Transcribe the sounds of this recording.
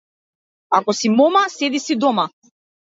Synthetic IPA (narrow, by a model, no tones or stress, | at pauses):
akɔsimɔmasɛd̪isid̪ɔma